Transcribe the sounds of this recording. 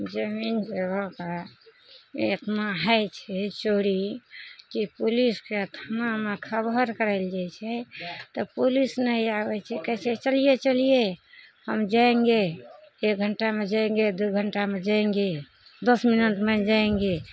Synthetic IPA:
d͡ʒəmind͡ʒeɡɔka | eət̪ʰmaɦajt͡ʃʰɛt͡ʃoɾikipuliskeət̪ʰmamekʰəbəɾkəɾaɪld͡ʒajt͡ʃʰɛt̪ɔpulisnəiabɛt͡ʃʰɛkɛset͡ʃəlijet͡ʃəlijehəmd͡ʒaẽŋɡeːk̚ɡʱəɳʈamed͡ʒaẽŋɡed̪uɡʱəɳʈamed͡ʒaẽŋɡe | d̪əsminət̪med͡ʒaẽŋɡe

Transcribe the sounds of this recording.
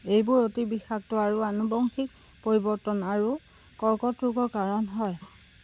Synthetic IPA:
ejbʊɹotibixak̚tʊaɹuanubɔŋxik̚ | poɹibɔɹtɔnaɹu | kɔɹkɔtɹuɡɔɹkaɹɔnɦɔj

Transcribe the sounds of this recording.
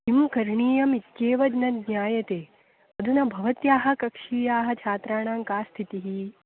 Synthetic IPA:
ɦimkɐɾɳiːjɐmit̪keːʋɐd͡ʒnɐd̪njaːjɐt̪eː | ɐd̪ʱunɐbʱɐʋɐt̪jaːɦɐ̆kɐkʂiːjaːɦɐ̆t͡ʃʰaːt̪ɾaːɳ̃aːŋkaːst̪ʰit̪iɦi

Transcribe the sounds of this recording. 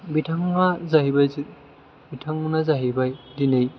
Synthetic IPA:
bitʰaŋnazaɦibajzi | bitʰaŋnazaɦibajdinej

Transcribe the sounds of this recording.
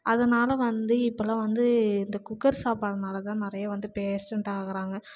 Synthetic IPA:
ɐðɐnaːlɐʋɐnd̪ɯɪpːɐlɐ̃ːʋɐnd̪ɯɪnd̪ɐkʊkːɐɾsaːpaːɽɐnaːlɐt̪ãːnɪɾɐjɐʋɐnd̪ɯpeːsɐɳʈaːɣɐɾaːŋɡɐ

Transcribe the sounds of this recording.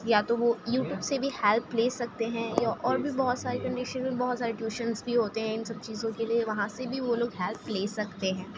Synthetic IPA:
jat̪oʋojuːʈjuːbsebʱihɛlpleːsɐk̚t̪eɦɛ̃jaʔɔːɾbʱibɐɦʊt̪saːɾekɐ̃ɳɖɪʃənəlbɐɦʊt̪saːɾɪʈjuːʃənzbʱiɦoːt̪eɦɛ̃ɪnsɐb̚t͡ʃiːzõkelieʋɐɦãsebʱiʋoloːɡɦɛlpleːsɐkt̪eɦɛ̃ː

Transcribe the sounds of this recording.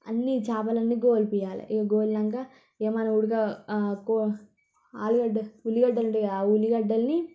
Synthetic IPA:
ɐ̰nːit͡ʃaːpɐlɐnːiɡoːlpijaːlɐ̰ʔiɡɐɡoːlnɐŋkɐ | eːmanɐuɽuɡɐko | a̰ːluɡɐɖɐuliɡɐɖːɐlɐɳʈeauliɡɐɖːɐlni

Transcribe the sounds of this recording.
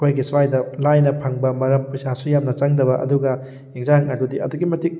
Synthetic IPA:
kʰojɡisajdɐlajnɐpʰaŋbɐmɐɾɐmpɐsasujamnɐt͡ʃaŋdɐβɐʔɐ̰duɡɐ | jeŋzahaknajdudiɐ̰duɡimɐtik̚

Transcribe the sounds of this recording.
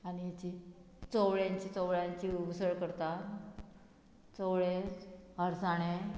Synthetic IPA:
aniat͡ɕi | t͡sowɭjaɲt͡ɕit͡sɔwɭjãɲt͡ɕiusəɭkəɾt̪a | t͡sɔwɭeɦəɾsaɽ̃e

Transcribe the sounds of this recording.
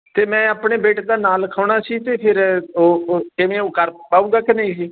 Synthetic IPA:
t̪eːmɛ̃ːaːpɳeːbeːʈːd̪aːnaːlkʰəʊɳ̃aːsiːt̪eːpʰɪɾoːkɪʋẽːoːkəɾpaːũːɡaːkɪnəĩːsiː

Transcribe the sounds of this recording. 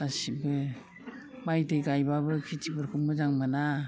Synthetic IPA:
asibɯ | majdɯjɡajbabɯkʰitʰibɯɾkʰɯmɯzaŋmɯna

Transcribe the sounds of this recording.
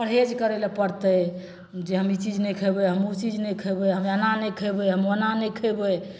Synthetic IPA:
pəɾɦed͡ʒkəɾelepəɾt̪ə | d͡ʒeɦəmit͡ʃid͡ʒnəjkʰəjbəɦəmut͡ʃid͡ʒnɛkʰəjbəɦəmənanɛjkʰəbəɦəmənanəkʰəjbə

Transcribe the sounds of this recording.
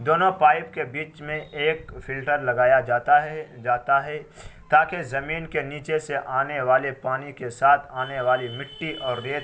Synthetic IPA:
d̪oːnõpaːɪp̚kebiːt͡ʃmẽʔeːkfɪlʈəɾlɐɡaːja | d͡ʒaːt̪aɦɛ | t̪aːkezɐmiːnkeniːt͡ʃeseʔaːneʋaːlepaːnikesaːt̪ʰaːneʋaːlimɪʈːiʔɔːɾːeːt̪

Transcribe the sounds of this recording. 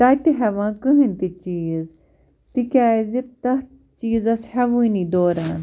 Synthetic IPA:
t̪aːjt̪iɦɛʋãːkɨɦint̪it͡ʃiːz | t̪ikʲaːzit̪ɐh | t͡ʃiːzɐshɐʋuiniːd̪oːɾaːn

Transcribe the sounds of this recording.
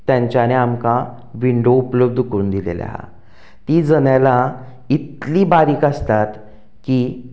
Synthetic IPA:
t̪jãɲt͡ɕjaneamka | ʋiɳɖoupləb̚d̪ʱukɾuːnd̪ilḛlja̰ɦa̰ | t̪iːd͡zənjala | it̪liːbaɾiːkast̪at̪ | kiː

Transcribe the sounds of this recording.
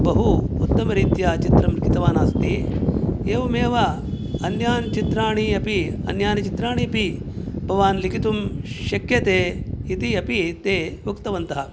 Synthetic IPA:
bɐɦuːt̪ːɐmɐɾiːt̪jaːt͡ʃit̪ɾɐmɾkit̪ɐʋaːnaːst̪i | eːʋɐmeːʋɐ | ɐnjaːnt͡ʃit̪ɾaːɳiɐpiɐ̰njaːnɐt͡ʃit̪ɾaːɳ̃iɐpibʱɐʋaːnlikit̪umʃɐkjɐt̪eːit̪iɐpit̪eːʋukt̪ɐʋɐnt̪ɐɦɐ

